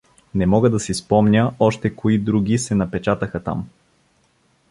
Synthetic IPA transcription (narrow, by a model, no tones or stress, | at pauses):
nɛmɔɡəd̪ɐsispɔmnʲəɔʃt̪ɛkoid̪ɾuɡʲisɛnɐpɛt͡ʃat̪əxət̪a̰m